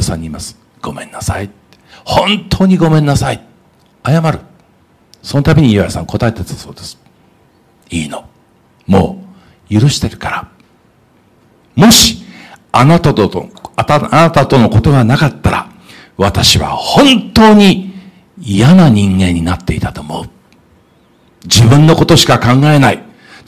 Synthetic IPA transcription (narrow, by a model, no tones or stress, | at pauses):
asã̰ɲ̟ːiːmasɨ̥ | ɡ̥o̞mẽ̞nːasait̪ | ehõ̞nt̪ʰo̞ːɲ̟iɡo̞mẽ̞nːasait̪e | ajamaɾɯ̟ | so̞no̞t̪abʲeɲ̟iβajasã̰ŋko̞t̪ae̞t̪et̪ḁso̞ːd̪e̞sɨ̥ | iːno | mo̞̰ː | jɯ̟ɾɯ̟ɕi̥t̪e̞ɾɯ̟̥kaɾa | mo̞ɕi̥anat̪ | anat̪at̪o̞no̞ko̞t̪o̞ɡanakat̪ːaɾa̰ | βat̪aɕiβa̰hõ̞nt̪o̞ːɲ̟i | ijanaɲ̟ĩŋɡẽ̞ɲ̟ːinat̪ːe̞it̪at̪o̞ːmo̞̰ɯ | d͡ʑibɯ̟̃nːo̞ko̞t̪o̞ɕi̥kakãŋɡae̞nai